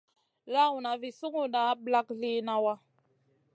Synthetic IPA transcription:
la˦u˨na˨vi˨su˦ŋu˦na˨˦bla˦kli˦na˦wa˦

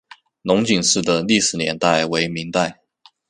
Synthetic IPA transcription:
nʊ˧˥ŋt͡ɕi˨˩ŋʂɻ̩˥˩d̪ə˩li˥˩ʂɻ̩˨˩njɛ̰˧˥nt̪a˥˩ɪwe˧˥ɪmi˧˥ŋt̪a˥˩ɪ

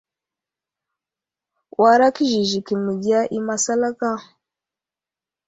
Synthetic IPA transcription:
wʔa˨ɾa˦ki˦ʒi˨ʒi˨ki˨mi˨ɡi˦a˦ʔi˦ma˨sa˦la˦ka˦

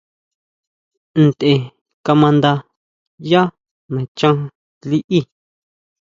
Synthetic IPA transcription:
n̩˨t̪ʔe˨ | ka˧mã˧nd̪a˧ | ja˦ | nẽ˨t͡ʃã˦ | li˦ʔi˦

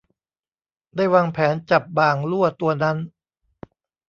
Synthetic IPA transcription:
daː˥˩jwaː˧ŋpʰɛː˩˦nt͡ɕa˨˩p̚baː˨˩ŋlu˥˩ɐt̪u˧ɐna˦˥n

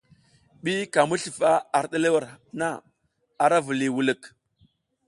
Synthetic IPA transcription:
ɓi˦ka˨mu˦ɬi˨fa˦a˨ɾɗə˦le˦wa˨ɾna˦ | a˨ɾa˦vu˨li˨wu˨lə˨k

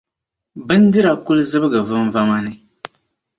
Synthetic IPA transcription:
bɨ˦n˦dɨ˦ɾa˨ku˦lɨ˦zɨ˦bɨ˦ɡɨ˨vɨ˦m˦va˦ma˦nɨ˦

